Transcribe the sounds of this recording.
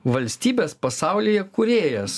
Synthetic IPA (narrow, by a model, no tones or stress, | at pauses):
ʋɐlʲsʲt̪ʲiːbʲeːspɐsɑˑʊlʲɪjɛkʊɾʲeːjɛs